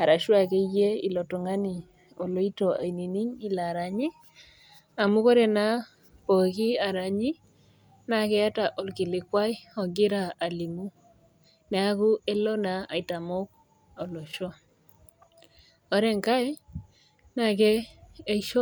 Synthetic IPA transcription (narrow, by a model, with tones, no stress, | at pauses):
a˨ɾa˨ʃwa˨ke˦je˦ḭ˨lɔ˨tɔ˨ŋa˦ni˨ | o˨lo˦i˦to˨a̰˨i˨ni˨ni˦ɲi˦la˨ɾa˨ɲi˦ | a˨mu˦kɔ˦ɾe˨na˦ | po˨ki˦a˨ɾa˨ɲi˦ | na˨kɛ˦ja˦ta˨ʔo˨lki˨lɪ˨kwa˦jɔ˨ɡɪ˦ɾa˨a˨li˨mu˦ | nɛ˨a˦ku˦e˦lɔ˦na˨a̰˨i˨ta˨mo˦k̚ | ɔ˨lo˨ʃɔ˦ | ɔ˨ɾɛ˦ŋka˦j | na˦˨kɛː˦ʃo˦